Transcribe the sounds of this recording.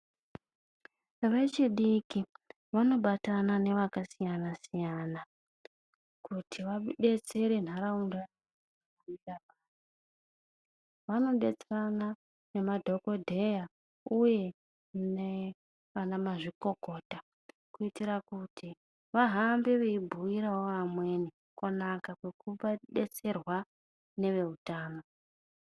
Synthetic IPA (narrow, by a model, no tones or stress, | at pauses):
ʋe̞t͡ʃiɗiki | ʋano̞ɓatanane̞ʋakasijanasijana | kʰutʰiʋaɓe̞t͡se̞ɾen̤aɾaunda | kuitapani | ʋano̞ɓe̞t͡serana | ne̞madʱo̞ko̞dʱe̞ja | uje̞ | ne | ʋanamaʐiko̞ko̞ːta | kuitiɾakutʰi | ʋaɦambeʋeibʱuiɾawoamwe̞ni | konakakwe̞kuɓaɗe̞t͡se̞rwa | ne̞ʋe̞utaːno